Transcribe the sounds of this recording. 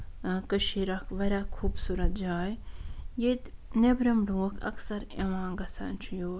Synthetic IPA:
kəʃiɾakʰʋɐɾʲakʰuːbsuɾɐt̪̚d͡ʒaːjjet̪nebɾɐmɖũːɐkʰɐ̰ksɐɾeʋãːŋɡɐsa̰ːnt͡ʃʰjoː

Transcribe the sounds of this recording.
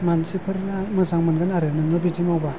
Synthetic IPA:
mansipʰɯɾinmɯzaŋmɯnɡɯnaɾenɯŋɡɯbidimawba

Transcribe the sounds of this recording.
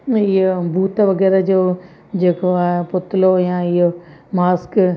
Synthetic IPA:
ɪɦobʱuːt̪ʋɐɡɛːɾad͡ʑoː | d͡ʑeːkoapʊt̪ɪlojãɪomaːsk

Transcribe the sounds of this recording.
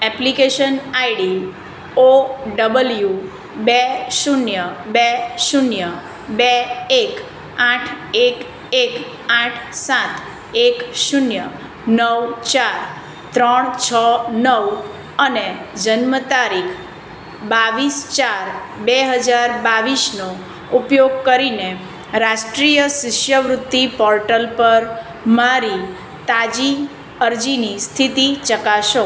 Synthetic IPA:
ɛplikeʃənaiɽi | oɖəbəlju | beʃunjəbeʃunjə | beek | ãʈʰek | ek | ãʈʰsãt̪ʰ | ekʃunjə | nəwt͡ʃaɾ | t̪ɾəɳ̃t͡ʃʰənəʋ | əned͡ʒənmət̪aɾikʰ | baʋist͡ʃaɾ | beɦəd͡ʒaɾbaʋisno | upjoɡ̚kəɾine | ɾaʃʈɾijəsɪʃjəʋɾʊt̪ːipɔɾʈəlpəɾ | maɾi | t̪ad͡ʒi | əɾd͡ʒinist̪ʰit̪it͡ʃəkaʃo

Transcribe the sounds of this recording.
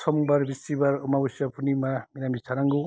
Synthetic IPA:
sɔmbaɾbisibaɾɯmabɯsapʰunimaminamisʰaɾaŋɡu

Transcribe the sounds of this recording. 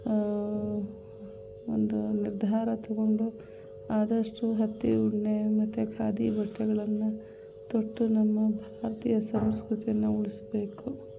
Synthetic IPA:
o̰nd̪uniɾd̪ʱaːɾɐt̪ɐɡo̞ɳɖu | aːd̪ɐʂʈuɦɐt̪ːiuɽɳemɐt̪ʰːekʰaːd̪ibɐʈːɐɡɐɭɐnːu | t̪oʈːunɐmːɐbʱaːɾɐt̪ijɐsɐmskɾut̪ijɐnːuuɭisbeːku

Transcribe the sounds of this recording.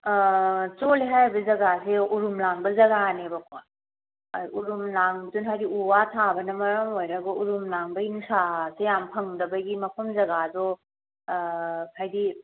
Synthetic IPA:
t͡ʃoliɦajbɐzɐɡaseuɾumlaŋbɐzɐɡanebɐkʰa | uɾumlaŋdunɦaɾiuwatʰabɐnɐmɐɾɐmojɾɐɡɐʔuɾumlaŋbɐinusasejampʰɐŋdɐbɐɡimɐpʰɐmzɐɡadɔ | pʰajdi

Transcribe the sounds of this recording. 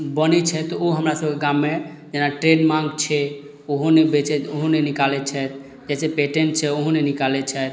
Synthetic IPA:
bənɛt͡ʃʰɛt̪ɔoɦəmɾasəbkeɡamːe | d͡ʒenaʈɾeɖmãŋɡt͡ʃʰɛ | oɦonebet͡ʃɛt̪oɦũnenikalɛt͡ʃʰɛt̪̚ | d͡ʒɛsepeʈent͡ʃʰɛoɦũnenikalɛt͡ʃʰɛt̪

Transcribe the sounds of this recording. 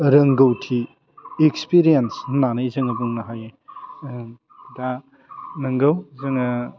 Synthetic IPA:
ɾɐŋɡɐwtʰi | ekspiɾijensnanɐjzɯŋɐbuŋnɐɦaje | da | nɐŋɡɐwzɯŋɐ

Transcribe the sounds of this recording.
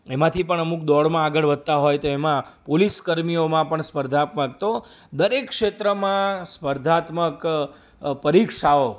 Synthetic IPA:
emãt̪ʰipəɳəmuk̚d̪ɔɽmãaɡəɭʋəd̪̚ʱt̪aɦojt̪oemãpoliskəɾmijomãpəɳspəɾd̪ʱat̪mək̚t̪o | d̪əɾekːʂet̪ɾəmãspəɾd̪ʱat̪mək | pəɾikʃao

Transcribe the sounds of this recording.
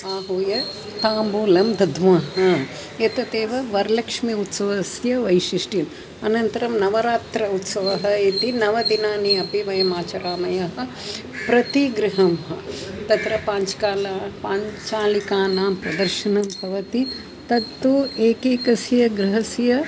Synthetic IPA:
aːɦuːjɐ | t̪aːmbuːlɐmd̪ɐd̪ʱʋɐɦɐ | jɐt̪ɐt̪eːʋɐʋɐɾlɐkʂmiut̪sɐʋɐsjɐʋɐjʃiʂʈim | ɐnɐnt̪ɐɾɐmnɐʋɐɾaːt̪ɾɐut̪sɐʋɐɦɐit̪inɐʋɐd̪inaːniɐpiʋɐjɐmaːt͡ʃɐɾaːmɐjɐɦɐ̆ | pɾɐt̪iɡɾɪɦɐmɦɐt̪ɐt̪ɾɐpaːɲt͡ʃkaːlaːpaːɲt͡ʃaːlikaːnaːmpɾɐd̪ɐɾʃɐnɐmpɐʋɐt̪i | t̪ɐt̪ːueːkeːkɐsjɐɡɾɪɦɐsjɐ

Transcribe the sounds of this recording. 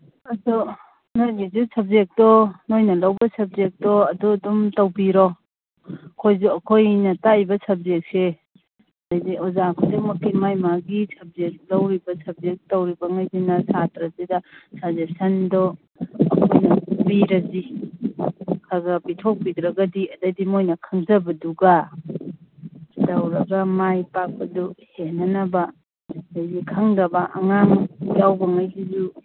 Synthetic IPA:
ɐsu | nojɡizusɐb̚zek̚tɔnojnɐlɐwbɐsɐb̚zek̚tɔɐduɐdumtɐwbiɾɔ | kʰojzuɐkʰojnɐtajbɐsɐb̚zek̚se | ŋajziʔɔzakʰodɔmɐkimajmaɡisɐb̚zek̚lɐwɾibɐsɐb̚zek̚tɐwɾibɐŋajzinɐsatɾɐzedasazesɐndɔ | mojnɐbiɾɐzi | kʰaɡɐbitʰok̚pidɾɐɡɐdiɐdɐdimojnɐkʰɐŋzɐbɐduɡa | dawɾɐɡɐmajpak̚pɐduhenːɐnɐbɐ | dajzikʰaŋdɐbɐʔɐ̰ŋaŋjawbɐŋajsizu

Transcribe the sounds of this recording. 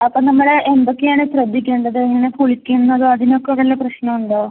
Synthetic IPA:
ɐpːonɐmːɐɽeʔend̪okːeaːɳɨɕrɐd̪ʱːikʲːeːɳɖɐðɨeŋːɐnepuɭikʲːunːɐðɨɐðinokːeʋɐlːɐprɐɕnɐmuɳɖɨ

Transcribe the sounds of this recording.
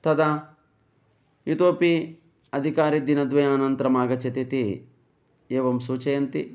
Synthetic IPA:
t̪ɐd̪ɐ | jut̪oːpi | ɐd̪ʱikaːɾid̪inɐd̪ʋɐjaːnɐnt̪ɐɾɐmaːɡɐt͡ʃɐt̪it̪i | eːʋɐmsuːt͡ʃɐjɐnt̪i

